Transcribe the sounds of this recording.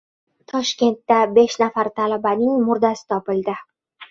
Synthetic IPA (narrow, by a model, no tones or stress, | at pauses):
t̪ʰɒʃkʲe̞nt̪ːabe̞ʃnafaɾt̪ʰalabanɪŋmʊɾd̪asɪ̥t̪ʰɒpɪld̪ɪ